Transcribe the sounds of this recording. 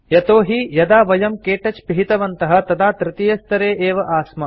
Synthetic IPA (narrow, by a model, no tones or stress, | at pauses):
jɐt̪oːɦijɐd̪aːʋɐjɐmkeːʈɐt͡ʃpiɦit̪ɐʋɐnt̪ɐɦɐ̆t̪ɐd̪aːt̪ɾɪt̪ijɐst̪ɐɾeːʔeːʋɐʔaːsmɐ